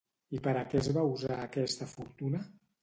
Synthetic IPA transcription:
ipəɾəkɛzβauzaːkɛst̪əfuɾt̪unə

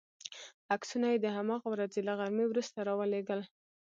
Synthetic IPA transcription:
aksunajed̪əɦamɑɣawɾad͡zelaɣaɾmewɾust̪aɾɑwəleɡəl

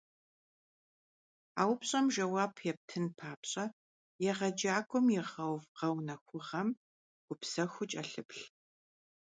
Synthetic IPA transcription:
a̰ːwpɕʼɐmʒɐwaːpʰjɛp̚tʰɨnpʰaːpɕʼɐ | jɛʁɐd͡ʒaːɡʷʼɔmjɛʁɐwvqɐwnɐxʷʊʁɐm | ɡ̥ʷʊpsɐxʷʊt͡ʃʼɐɬɨpɬ

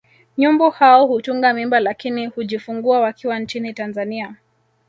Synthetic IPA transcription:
ɲumbɔhaɔhutuŋɡamimbalakinihuʄifuŋɡuawakʰiwant͡ʃinitanzania

